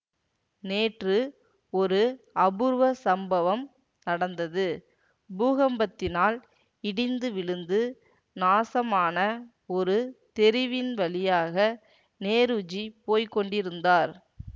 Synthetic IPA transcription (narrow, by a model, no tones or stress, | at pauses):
neːʈrɯ | ɔɾɯɐbɯɾʋɐsɐmbɐʋɐm | nɐɽɐnd̪ɐðɯ | buːɣɐmbɐt̪ːɪnaːl | ɪɽɪnd̪ɯʋɪɭɯnd̪ɯ | naːsɐmaːnɐ | ɔɾɯt̪ɛɾɪʋɪnʋɐlɪjaːɣɐ | neːɾɯd͡ʒipoːjkɔɳɖɪɾɯnd̪aːɾ